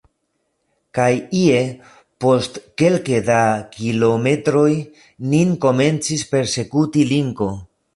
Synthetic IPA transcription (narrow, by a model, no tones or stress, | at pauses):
kajie̞ | po̞stke̞lkedakilo̞me̞tɾo̞j | ninko̞me̞nt͡sispe̞ɾse̞kutiliŋko̞